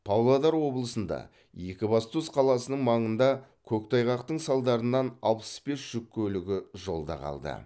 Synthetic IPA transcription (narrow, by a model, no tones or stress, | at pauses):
pʰɑwlˠɑd̪ɑɾwo̞blˠəsənd̪ɑ̰ | jekʲɪbɑst̪usqʰɑlˠɑsənəɴmɑɴənd̪ɑkʲʰɵkt̪ʰɑjʁɑqt̪əɴsɑlˠd̪ɑɾənːɑnɑlˠpə̥sbe̞sʒ̥ʏkʲʰːɵlɪɡʲɪʒo̞lˠd̪ɑ̰qʰɑ̰lˠd̪ə̰